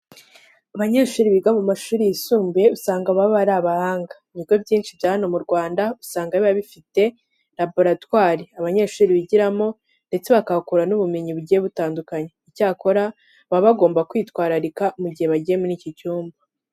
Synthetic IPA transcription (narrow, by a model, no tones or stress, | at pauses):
aβaɲeʃuːɾiβiɡamumaʃuːɾijisuːmbeusaːŋɡaβaββaɾaβahaːŋɡaβiɡwo̞bɟiːnt͡ʃivjaːhano̞muɾɡwaːndausaːŋɡaβiβaβifite̞ | ɾabo̞ɾatwaːɾiaβaɲe̞ʃuːɾiβiɟiɾamo̞ | nde̞t͡se̞βakakuɾanuβume̞ɲiβuɟijeβutaːndukaɲeicaːko̞ɾa | βaβaɡo̞ːmbakwiːtwaːɾaɾikamuɟihe̞βaɟijemuniːcicuːmba